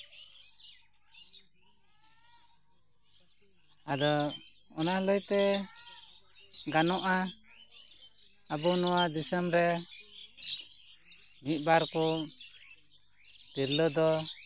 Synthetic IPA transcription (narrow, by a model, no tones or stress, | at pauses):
ad̪ɔɔnaləjt̪ɛ | ɡanɔʔa | abɔnɔwad̪isəmɾɛ | mit̪̚baɾkɔ | t̪iɾləd̪ɔ